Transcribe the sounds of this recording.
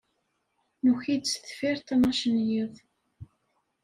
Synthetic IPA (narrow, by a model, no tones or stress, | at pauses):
nuçid̪sθfiɾt̪ˤnɑʃənjiðˤ